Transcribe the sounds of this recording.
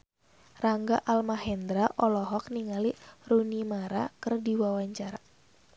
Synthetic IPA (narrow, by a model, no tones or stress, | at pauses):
raŋɡaʔalmaɦɛnd̪ɾaʔɔlɔɦɔk̚niŋalirunimaɾakɨrdiwawaɲt͡ʃaɾa